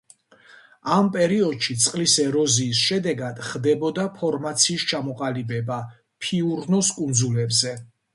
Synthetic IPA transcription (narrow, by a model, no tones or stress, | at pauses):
ampʼɛɾiɔd̪ʃit̪sʼqʼlisɛɾɔziːsʃɛd̪ɛɡad̪̥χd̪ɛbɔd̪apʰɔɾmat̪sʰiːst͡ʃʰamɔqʼalibɛba | pʰiuɾnɔskʼund̪zulɛbzɛ